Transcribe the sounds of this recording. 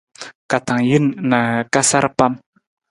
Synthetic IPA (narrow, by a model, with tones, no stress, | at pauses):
ka˨t̪a˨ŋji˦nnːa˨ka˦sa˦ɾpa˦m